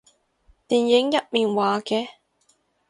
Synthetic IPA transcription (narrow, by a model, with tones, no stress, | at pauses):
t̪iː˨njɪ˨˥ŋjɐ˨t̚miː˨nwaː˨˧kɛː˧